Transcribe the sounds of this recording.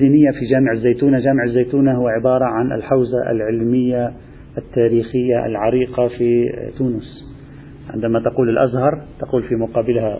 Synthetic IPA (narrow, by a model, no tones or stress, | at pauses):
iːnɪjːafid͡ʒaːmɪʕazːajt̪uːnaʒaːmɪʕɪzːajt̪uːnahʊwaʕɪbɑːɾˤɑʕanʔa̰lħawzaʔa̰lʕɪlmɪjːa | ʔat̪ːaːɾiːxɪjːaʔa̰lʕɑɾiːqɑfit̪uːnʊs | ʕɪ̰nd̪amat̪ɑquːlɪlʔazhɑɾˤt̪aquːlfimʊqɑːbɪlha